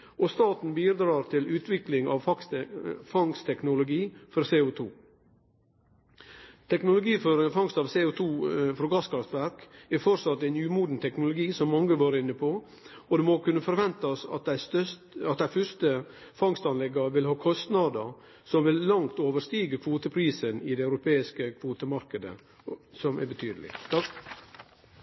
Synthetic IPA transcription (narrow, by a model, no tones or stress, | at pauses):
ʔɔst̪ɑːt̪n̩biːd̪ɾɑːɾt̪ʰɪlʉːt̪ʰʋɪklɪŋɑ̰ʋfɑsfɑŋst̪ʰɛknʊlʊɡiːfɔɾseːʊt̪ʰuː | t̪ʰɛknʊlʊɡiːfɔɾfɑŋst̪ɑːʋseːʊt̪ʰuːfɾoːɡɑskɑft̪ʋæɾkæɾfɔɾsɑt̪ːæɪnjʉːmuːd̪n̩t̪ʰɛknʊlʊɡiːsɔmːɑŋːəʋɑːɾəɪnːəpʰo | ɔd̪ɛmokʉnːəfɔɾʋɛnt̪ɑsɑ̰t̪d̪æɪt̪ | ɑt̪̚d̪æɪfœɾst̪ə | fɑŋst̪ɑnlɛɡːəʋɪlhɑːkʰɔst̪nɑd̪əɾ | sɔmʋɪlːɑŋt̪oːʋəʂt̪iːɡəkʰʋoːt̪əpʰɾiːsənɪd̪ɛɑʉɾʊpʰeːɪskəkʰʋoːt̪əmɑɾkəd̪ə̰ | sɔmæ̰bət̪ʰyːd̪əlɪ̰t̪ɑ